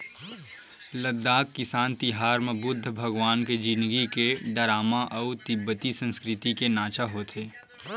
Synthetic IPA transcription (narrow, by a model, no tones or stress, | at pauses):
ləd̪ːaːkːɪsaːnt̪ɪɦaːɾmẽbʊd̪ʱːəbʱɐɡʋaːnked͡ʒĩnd̪ɡikeɖəɾaːmaʔɔut̪ɪbːət̪isə̃nskɾɪt̪ikenaːt͡ʃaɦoːt̪ʰeː